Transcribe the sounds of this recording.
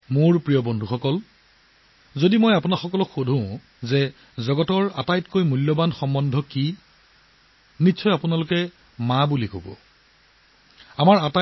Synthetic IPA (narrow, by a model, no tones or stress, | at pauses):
mʊɹpɹijɔbɔndʱuxɔkɔl | zodimojapunaxɔkɔlɔkxodʱũʊ̃ | zɛ | zɔɡɔtɔɹatajtkojmulːɔbanxɔmbɔndʱɔki | nitːsʰɔjapʊnalʊkɛ | mabulikobɔ̰ | amaɹata